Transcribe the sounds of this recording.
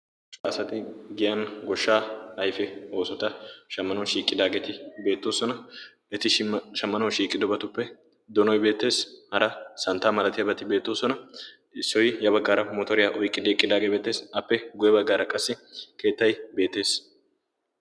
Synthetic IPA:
t͡ʃʼasɐt̪ɪɡɪjɐnɡɔʃːaːhɐjfɛo̞ːsɔt̪ɐʃɐmːɐnɔwʃiːkʼːɪd̪aːɡet̪ɪbe̞ːt̪ːo̞ːsɔnɐ | ɛt̪ɪʃɐmːɐnɐwʃiːkʼːɪd̪ɔbɐt̪ʊpːɛ | d̪ɔnɔjbe̞ːt̪ːe̞ːshɐɾɐsɐnt̪ːaːmɐlɐt̪ɪjɐbɐt̪ɪbe̞ːt̪ːoːsɔnɐ | ɪsːɔjjɐbɐɡːaːɾɐmoːt̪ɔɾɪjaʔɔjkʼːɪd̪eːkʼːɪd̪aːɡebeːt̪ːe̞ːsɐpːɛɡʊjɐbɐɡːaːɾɐkʼɐsːɪkʰe̞ːt̪ːɐjbe̞ːt̪ːe̞ːs

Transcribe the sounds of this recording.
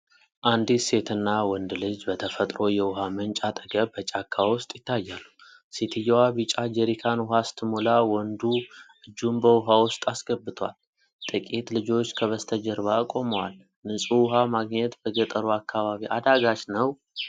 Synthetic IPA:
ʔand̪ise̞t̪ʰɨnːawɔnd̪lɨd͡ʒbət̪ʰəfət̪ʼɾo̞jɛwʊɦamənt͡ʃʼat̪ʼəɡəbbət͡ʃʼakʰːawʊst̪ʼjɪt̪ʰːajːalu | set̪ʰɨjːawaβit͡ʃʼad͡ʒɛɾikʰanwʊɦast̪ʰɨmolawɔnd̪uʔɨd͡ʒːumbəwʊɦawʊst̪ʼasɡəbːɨt̪ʰwa̰l | t̪ʼɨkʼit̪lɨd͡ʒo̞t͡ʃːkʰəβəst̪ʰəd͡ʒɛɾβakʼo̞məwal | nɨsʼuwʊɦamaɡɲɛt̪b̥əɡət̪ʼəɾuakʰːaβaβiʔad̪aɡat͡ʃnəw

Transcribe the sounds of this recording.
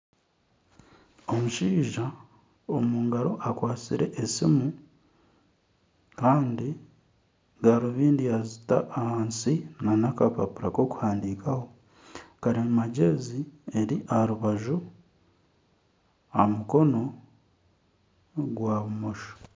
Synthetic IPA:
o̞muʃiːʒa | omuːŋɡaɾo̞ʔakwaːt͡siɾe̞ʔesimu | kaːndi | ɡaɾoβiːndiazita̰ʔːhaːnsinanakapapuɾako̞ku̥haːndiːkaho̞ | kaɾimaɟezieɾiʔaɾuβaʒu | amuko̞no̞ | ɡwaːβumo̞ʃo̥

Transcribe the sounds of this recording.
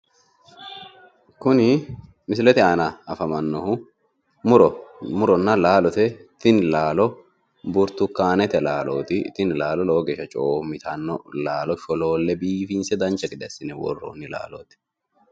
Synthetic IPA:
kʊnɪ | mɪs̬ɪlɛt̪ɪaːnɐɐfɐmɐnːɔhʊ | mʊɾmʊɾɔnːɐlaːlɔt̪ɛt̪ɪnlaːlɔ | bʊɾt̪ʊkːaːnɛt̪ɛlaːlo̰ːt̪ɪt̪ɪnlaːlɔloːɡɛʃɐt͡ʃʼoːmɪt̪ɐnːɔlaːlɔʃɔlo̞ːlːɛbiːfiːnsɛd̪ɐnt͡ʃːɐɡɪd̪ɛsɪnɛwɔ̰rːo̰ːnːɪla̰ːlo̰ːt̪ɪ̥

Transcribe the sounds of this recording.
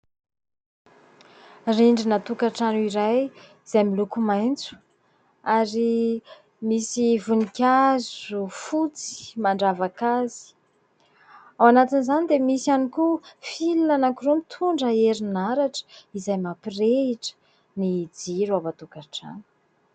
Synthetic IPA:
riɳɖ͡ʐinat̪ukaʈ͡ʂanuiɾaj | iz̥ajmilukumajnt͡su̥ | aɾi | misivunikʲazufut͡si̥maɳɖ͡ʐavakazi̥ | awanat̪inzanid̪emisianikufilunanakuɾumit̪ʰuɳɖ͡ʐəeɾinaɾaʈ͡ʂə̥izajmapireiʈ͡ʂə̥ | nid͡ziɾuavat̪ukaʈ͡ʂa̰nu̥

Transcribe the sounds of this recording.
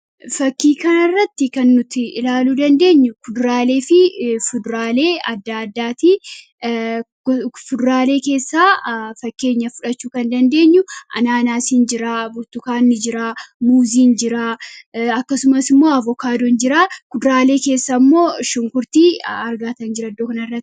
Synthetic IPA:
fɐkːiːkɐnɐrːɐt̪ːɪkɐnːʊt̪ɪɪlaːluːd̪ɐnd̪e̞ːɲːʊkʊd̪ɾaːle̞ːfɪfʊd̪ɾaːle̞ːɐd̪ːaːɐd̪ːaːt̪i | fʊd̪ɾaːle̞ːke̞ːsːaːfɐkːe̞ːɲːɐfʊᶑɐt͡ʃːuːkɐnd̪ɐnd̪e̞ːɲːʊʔɐ̰naːnaːsɪnd͡ʒɪɾaːbʊɾt̪ʊkaːnːɪd͡ʒɪɾaːmuːziːnd͡ʒɪɾaːɐkːɐsʊmɐsɪmːo̞ːɐvɔkaːd̪ɔnd͡ʒɪɾaːkʊd̪ɾaːle̞ːke̞ːsːɐmːo̞ːʃʊŋkʊɾt̪iːɐɾɡaːt̪ɐnd͡ʒɪɾɐd̪ːoːkɐnɐrːɐt̪ː

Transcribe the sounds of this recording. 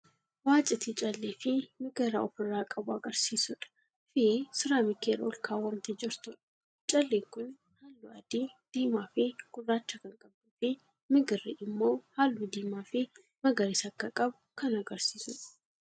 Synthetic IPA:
waːt͡ʃʼɪt̪it͡ʃʼɐlːeːfɪmɪɡɪrːɐɔfɪrːaːkʼɐbʊɐɡɐɾsiːsʊᶑɐ̥ | fɪesɪɾaːmɪkeːɾo̰lkʰaːwɐnt̪ɪd͡ʒɪɾt̪ʊᶑɐ̥ | t͡ʃʼɐlːeːŋkʊn | haːlːʊɐd̪id̪̥iːmaːfɪɡ̥ʊrːaːt͡ʃːɐkɐŋkʼɐbd̪ʊfɪ | mɪɡɪrɪʔɪmːo̞ːhaːlːud̪iːmaːfɪ | mɐɡɐɾɪsɐkːɐkʼɐbʊkɐnɐɡɐɾsiːsʊᶑɐ̥

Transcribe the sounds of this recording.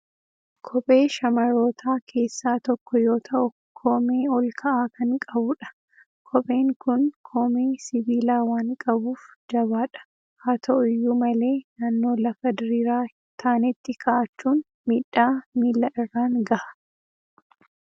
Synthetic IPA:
kʰɔbʼe̞ːʃɐmɐɾoːt̪ʰaːkʰe̞ːsːaːt̪ɔkːɔjoːt̪ʰɐʔʊ | kʰoːmeːɔlkʰɐʔaːkɐŋkʼɐbʊᶑɐ̥ | kʰɔpʼe̞ːŋkʊnkʰoːmeːsɪbiːlaːwaːŋkʼɐbuːfd͡ʒɐβaːᶑɐ̥ | haːt̪ʰɐʔʊjːuːmɐle̞ːnaːnːo̞ːlɐfɐd̪ɪɾiːɾaː | t̪ʰaːnɪt̪ːɪkʰɐʔɐt͡ʃːuːn | miːᶑːaːmiːlːɐʔɪrːaːŋɡɐʔɐ̥

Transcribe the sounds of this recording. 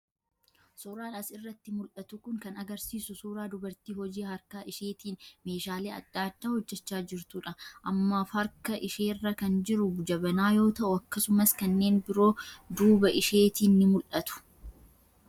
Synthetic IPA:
suːɾaːnɐsɪrːɐt̪ːɪmʊlʔɐt̪ʊkʊŋkɐnɐɡɐɾsiːsʊsuːɾaːd̪ʊbɐɾt̪iːhɔd͡ʒiːhɐɾkaːʔɪʃe̞ːt̪iːnme̞ːʃaːleːɐ̰d̪̥ːaːd̪ːaːhɔd͡ʒːɛt͡ʃːaːd͡ʒɪɾt̪uːᶑɐʔɐmːaːfɐɾkɐʔɪʃeːrːɐkɐnd͡ʒɪɾʊbʊd͡ʒɐbɐnaːjo̞ːt̪ɐʔʊɐkːɐsʊmɐskɐnːe̞ːnbɪɾo̞ːd̪uːbɐʔɪʃe̞ːt̪iːnːɪmʊlʔɐt̪ʊ̥

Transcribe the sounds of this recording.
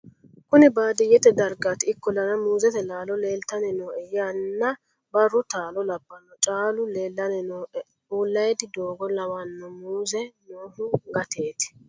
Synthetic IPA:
kʊnɪbaːd̪ɪjɛt̪ɛd̪ɐɾɡat̪ɪɪkːɔlɐnɐmuːzɛt̪ɛlaːlɔleːlt̪ɐnɛnoːʔɛjaːnːɐ | bɐrːɔt̪aːlɔlɐbːɐnːɔt͡ʃʼaːlʊleːlːɐnɛnoːʔɛ | uːlːɐjɛd̪ɪd̪oːɡɔlɐwɐnːɔmuːzɛnoːhʊɡɐt̪eːt̪ɪ̥

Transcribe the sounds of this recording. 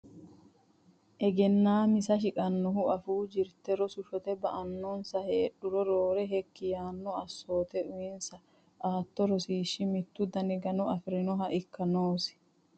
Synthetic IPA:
ʔɛɡɛnːaːmɪsɐʃɪkʼɐnːɔɦʊɐfuːd͡ʒɪɾt̪ɛɾɔsʊʃɔt̪ɛbɐʔɐnːɔnsɐheːɗːʊɾɔɾoːɾɛɦɛkːɪjaːnːɔɐsːo̞ːt̪ɛʔʊjɪnsɐ | ʔaːt̪ːɔɾɔsiːʃːɪmɪt̪ːʊd̪ɐnɪɡɐnɔɐfɪɾɪnɔɦɐʔɪkːɐnoːsɪ̥

